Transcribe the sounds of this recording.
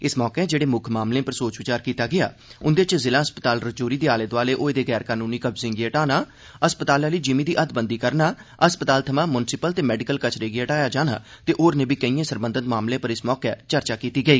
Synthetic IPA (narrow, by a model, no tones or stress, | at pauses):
ɪsmɔːkɛd͡ʒeːɽeːmʊkʰmaːmlẽːpəɾsoːt͡ʃʋɪt͡ʃaːɾkiːt̪aːɡɪja̰ː | ʊnd̪eːt͡ʃzɪlãːɦəspət̪aːlɾət͡ʃoːɾiːd̪eːaːled̪ʋaːleːʔoːed̪eːɡɛːɾkaːnũːniːkəbzɪ̃ŋɡeːəʈaːnaː | əspət̪aːlaːləiːd͡ʒɪmiːd̪iːʔəd̪bənd̪iːkəɾnaːəspət̪aːlt̪ʰəmãːmʊnsɪpəlt̪eːmɛːɖɪkəlkət͡ʃɾeːɡeəʈaːjaːd͡ʒaːna̰ːt̪eːʔoːɾnẽːbiːkəiːẽːsəɾbənd̪ət̪maːmlẽːpəɾɪsmɔːkɛːt͡ʃəɾt͡ʃaːkiːt̪iːɡəiː